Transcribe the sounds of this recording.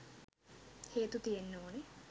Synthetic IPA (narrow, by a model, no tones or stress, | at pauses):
heːt̪ut̪ijenːoːne